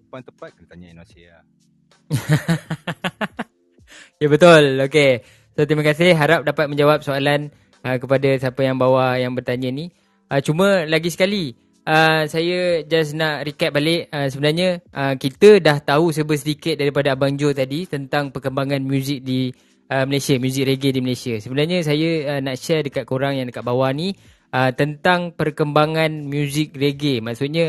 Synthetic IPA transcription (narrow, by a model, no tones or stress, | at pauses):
pant̪əpat̪̚kənət̪aɲainosia | jəbət̪ʊloke | sot̪ɾimakas̬ɪhɦaɾap̚dapat̪̚mə̃ɲd͡ʒawap̚soalan | əkəpadasiapəjaŋbawajaŋbərt̪aɲə̃ni | ət͡ʃumə̃laɡisə̥kali | ʔəsajəd͡ʒas̬naʔɾikat̪̚balɪʔəsəbənarɲəʔəkit̪ədaht̪aus̬əbəs̬ədikɪt̪̚daɾipadaːbaŋd͡ʒot̪adit̪ənt̪aŋpərkəmbaŋãnmjuzɪk̚di | əməlasiamjuzɪk̚ɾeɡediməlajsiasəbənarɲəs̬ajəənaʔʃɛrdəkat̪̚koɾaŋjaŋdəkaʔ̪̚bawani | ʔət̪ənt̪aŋpərkəmbaŋãnmjuzɪk̚reɡemaʔksut̪̚ɲa